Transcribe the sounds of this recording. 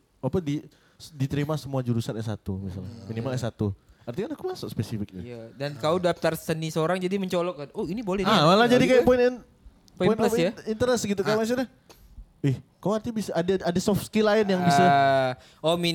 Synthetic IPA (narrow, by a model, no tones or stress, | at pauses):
apadi | sdit̪əɾimasəmuad͡ʒuɾusanɛsa̰t̪umisa̰laminimalɛsat̪uart̪ikanakumasʊkspesifɪk̚aadankaudap̚t̪arsənisəoɾaŋd͡ʒadiməɲt͡ʃolɔk̚aoinibolɛhaalad͡ʒadikajapoɪnn | poiɔnpajaint̪əɾɛsɡit̪ukajaʔmas̬ua | ɪhkauart̪ibisaːdaadasɔfskilaɪnjaŋbisa | omi